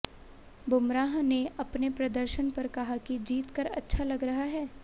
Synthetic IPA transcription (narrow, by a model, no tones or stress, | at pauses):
bʱʊmɾaːɦneɐpnepɾɐd̪əɾʃənpɐɾkɐɦakid͡ʒiːt̪kɐɾɐ̰tːʃʰalɐɡɾɐɦaɦɛː